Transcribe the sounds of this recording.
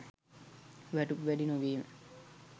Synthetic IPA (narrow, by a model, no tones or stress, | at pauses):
ʋæʈukʋæɖinuʋiːmə̰